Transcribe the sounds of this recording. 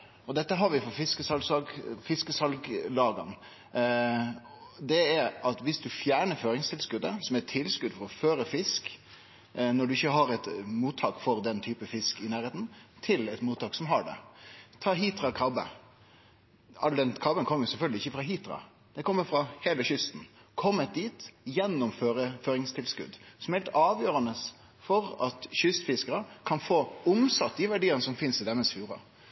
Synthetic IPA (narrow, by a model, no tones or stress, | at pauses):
ɔd̪ɛt̪ːəɦɑɾʋɪfɔfɪskəsɑlsɑɡfɪskəsɑlɡlɑːɡɑ̰n | d̪ɛæɾɑt̪ʋɪsd̪ʉfjæːɳəɾføːɾɪŋst̪ʰɪlskʉd̪əsɔmæʈ̪ʰɪlskʉd̪fɔɾɔføːɾəfɪsk | nɔɖʉɪçːəɦɑɾɛt̪muːt̪ʰːɑːkfɔɾd̪ɛnt̪ʰyːpəfɪskɪnæːɾheːt̪n̩t̪ʰɪlɛt̪muːt̪ʰːɑːksɔmɦɑɖɛ̰t̪ʰɑːɦiːt̪ːɾɑkʰɑbə̰ | ɑld̪ɛnkʰɑbənkʰɔməjʊsɛlfœɡlɪɪçːəfɾɑɦiːt̪ɾɑ̰ | d̪̥ɛkʰɔmːəɾfɾɑheːləɕʏst̪n̩kʰɔmːət̪̚d̪iːt̪jɛnːɔmføːɾəføːɾɪŋst̪ʰɪlskʉ̰d̪sɔmhɛlt̪ɑːʋjøːɾɑnəs | fɔɾɑt̪ɕʏst̪fɪskəɾəkʰɑnfoːʊmsɑt̪ːɪʋæɖiːənəsɔmfɪnsɪd̪ɛmːəsfjuːɾɑ̰